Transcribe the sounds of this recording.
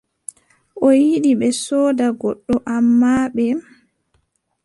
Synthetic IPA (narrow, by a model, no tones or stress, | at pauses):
ʔɔjiɗiɓɛsɔːdaɡɔɗːɔʔamːaːɓɛ